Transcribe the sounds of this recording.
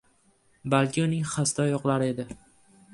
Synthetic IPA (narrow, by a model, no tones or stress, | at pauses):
balˠkʲɪʊnɪŋχast̪ɒjɒqlˠaɾɪe̞d̪ɪ